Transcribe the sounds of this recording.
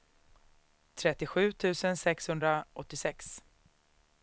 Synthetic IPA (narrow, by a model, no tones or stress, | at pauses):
t̪ʰɾɛt̪ːɪɧʉ̟ːt̪ʰʉ̟ːsənsɛkshɵnd̪ɾaʔɔt̪ːɪsɛks